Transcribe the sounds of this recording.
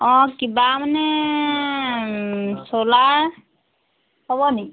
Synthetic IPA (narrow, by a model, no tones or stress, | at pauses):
ɔ̃kibamanɛ | solaɹ | hɔbɔniki